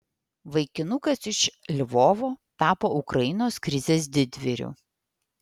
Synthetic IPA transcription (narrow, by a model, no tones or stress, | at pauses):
ʋɐɪkʲɪnʊkɐsɪʃlʲʋɔːʋoːt̪ɑːpoːʊkɾɐjɪnoːskɾʲɪzʲeːs̬d̪ʲɪd̪ʲʋʲɪɾʲṵː